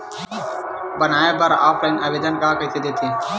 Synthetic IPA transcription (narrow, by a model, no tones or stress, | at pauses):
bənaːebəɾa̰ːpʰəɪnəʋeːd͡ʒ̪ənkaːkəiːt̪ʰiːd̪eːt̪ʰiː